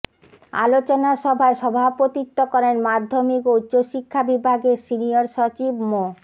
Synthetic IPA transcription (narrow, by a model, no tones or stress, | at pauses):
a̰lot͡ɕonaʃɔbʱaeʃɔbʱapot̪it̪ːokɔɾenmad̪ʱːomikoutːɕoʃikʰːabibʱaɡesinioɾʃot͡ɕibmo